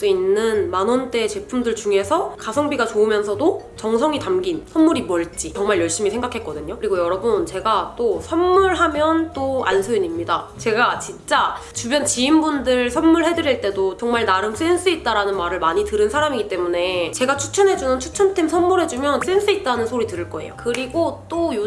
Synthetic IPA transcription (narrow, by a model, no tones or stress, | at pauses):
s͈uinːɯnmanwʌnt͈e̞t͡ɕe̞pʰumdɯɭt͡ɕuŋe̞sʰʌkasʰʌŋbiɡat͡ɕoɯmjʌnsʰʌdot͡ɕʌŋsʰʌŋitamɡinsʰʌnmuɾimʌɭt͡ɕ͈it͡ɕʌŋmaɭjʌɭɕ͈imisʰe̞ŋɡakʰe̞t̚k͈ʌdɯɲokɯɾiɡojʌɾʌbunt͡ɕe̞ɡat͈osʰʌnmuɭɦamjʌnt͈oansʰuiɲimɲidat͡ɕe̞ɡat͡ɕint͡ɕ͈at͡ɕubjʌnt͡ɕiimbundɯɭsʰʌnmuɭɦe̞dɯɾiɭt͈e̞dot͡ɕʌŋmaɭnaɾɯms͈wens͈ʰuit̚t͈aɾanɯnmaɾɯɭmaɲitɯɾɯnsʰaɾamiɡit͈e̞mune̞t͡ɕe̞ɡat͡ɕʰu̥t͡ɕʰʌnɦe̞d͡ʑunɯnt͡ɕʰut͡ɕʰʌntʰemsʰʌnmuɾɦe̞d͡ʑumjʌns͈ens͈ʰuit̚t͈anɯnsʰoɾitɯɾɯɭk͈ʌe̞̰jokɯɾiɡot͈ojo